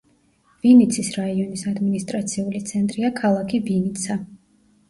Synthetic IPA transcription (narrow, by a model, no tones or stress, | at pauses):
v̥init̪sʰisɾaiɔnisad̪minist̪ʼɾat̪sʰiulit̪sʰɛnt̪ʼɾiakʰalˠakʰivinit̪sʰa